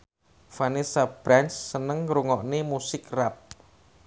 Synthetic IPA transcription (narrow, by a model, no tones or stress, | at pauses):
fanisab̥ɾansːənəŋɾuŋɔʔnemusɪkrap̚